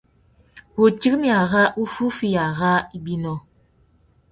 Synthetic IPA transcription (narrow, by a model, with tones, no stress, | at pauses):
wo˨ti˦k̚mja˨ɣa˦ʔu˦fu˦fi˦ja˨ɣa˦i˦bi˦nɔ˦